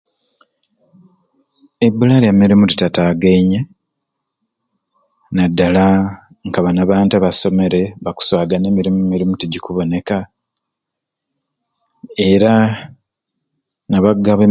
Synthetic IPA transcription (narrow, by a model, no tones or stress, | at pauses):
ebulaɾemiɾimuti̥tataːɡeiɲe | nadːala | ŋkaβanaβaːntaβaso̞me̞ɾe̞βaku̥swaːɡane̞ːmiɾimumiɾimutiɟikuβo̞ne̞ka | eɾa | naβaɡaβe